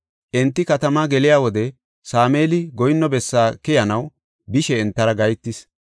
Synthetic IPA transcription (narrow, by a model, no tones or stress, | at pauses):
ʔɛnt̪ːɪkɐt̪ɐmaːɡɛlɪjaːwɔd̪ɛ | saːmeːlɪɡɔjɪnːɔbɛsːaːkɪjɐnɐw | bɪʃɛːnt̪ːɐɾɐɡɐjt̪ːɪs